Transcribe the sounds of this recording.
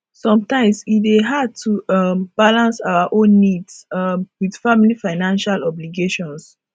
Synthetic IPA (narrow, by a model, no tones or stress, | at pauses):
sɔ̃mtãɪ̃mswideɦad̚tʰuʌmb̥alãnsaʊaʔõnːidsmwid̥familifaɪnãnʃalɔbliɡeʃɔ̃ns